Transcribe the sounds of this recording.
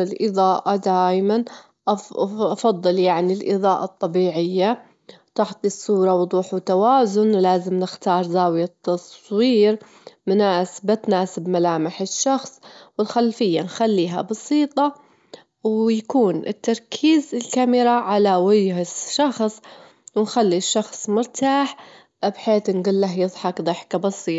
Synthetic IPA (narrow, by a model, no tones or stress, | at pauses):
ɪlʔɨðˤɑːʔad̪aːjman | ʔʔɑfɑðˤːɨljaʕnilʔɨ̰ðˤɑːʔɑt̪ˤːɑbiːʕɪjːa | t̪ɪħt̪ˤisːuːɾˤɑwʊd̪ˤuːħwt̪awaːzʊnlaːzɪmnɪxt̪ɑːɾˤzaːwjat̪ːɑsˤwiːɾ | mʊnaːsbat̪naːsɪbmalaːmɪħɪʃːɑxsˤwɪlxalfɪjːanxalːiːɦa̰bɑsiːt̪ˤɑ | wjakuːnɪt̪ːɑɾˤkʰiːzɪlkamɪɾaʕalawɪjhɪʃɑxsˤ | wɪnxalːiʃːɑxsˤmʊɾt̪ʰaːħ | bħeːt̪nɡʊlːaɦjɨðˤħɑkd̪ˤɨħkabɑsiːt̪ˤ